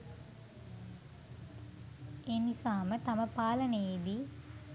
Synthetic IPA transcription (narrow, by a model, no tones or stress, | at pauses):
enisaːmət̪aməpaːlənəjed̪i